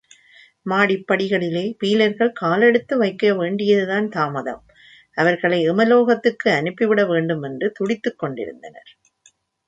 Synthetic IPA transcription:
maːɽɪpːɐɽɪɣɐɭɪleːpiːlɐɾɣɐɭkaːlɛɽɯt̪ːɯʋɐɪkːɯɾɐʋeːɳɖɪjɐðɯðaːnt̪aːmɐðɐ̰m | ʔɐʋɐɾɣɐɭɐɪɪmɐloːɣɐt̪ːɯkːɯɐnɯpːɪʋɪɽɐʋeːɳɖɯmɛndrɯt̪ʊɽɪt̪ːɯkːɔɳɖɪ̰ɾɯ̰nd̪ɐnɐ̰ɾ

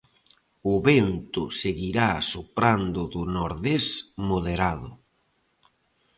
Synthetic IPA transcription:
ʊβent̪ʊseɣiɾasupɾand̪ʊðʊnoɾðesmoðeɾaðʊ̰

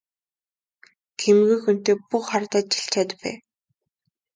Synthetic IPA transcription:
kʰemɣuːxun̥t̪eːpuχart̪aːt̪̚t͡ɕi̥ɬt͡ɕʰat̪̆pːæ̰ː

